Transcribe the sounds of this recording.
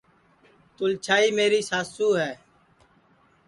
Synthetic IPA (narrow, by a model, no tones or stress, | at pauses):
t̪ʊlt͡ʃʰaːiːmeːɾiːsaːsuːɦɛː